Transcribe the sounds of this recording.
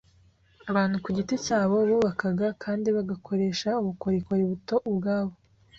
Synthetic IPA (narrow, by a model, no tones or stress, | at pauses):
aβaːn̥hukuɟiticaːβo̞ɾuːβakaɡakʰaːndiβaɡakʰo̞ɾe̞ːʃauβuko̞ɾikoɾiβuto̞ʔubɡaːβo̞